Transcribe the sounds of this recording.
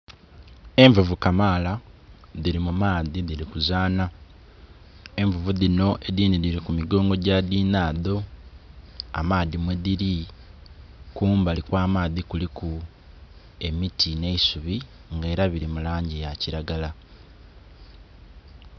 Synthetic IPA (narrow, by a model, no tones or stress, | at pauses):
e̞ɱvuvukamaːlaðiɾimumaːðiðiɾikuzaːna | e̞ɱvuvuðino̞ʔeðiːniðiɾikumiɡo̞ːŋɡo̞ɟaðiːnaːðo̞ | a̰maːðimweðiɾi | kuːmbalikwaːmaːðikuliku | e̞mitʰine̞isuβi | ŋɡe̞ːɾaβiɾimulaːɲɟijaciɾaɡala